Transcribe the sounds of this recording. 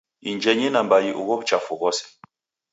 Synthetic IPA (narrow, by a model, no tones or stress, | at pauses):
ind͡ʒɛɲɛnambajiʔṵɣɔbt͡ʃafuɣɔsɛ̥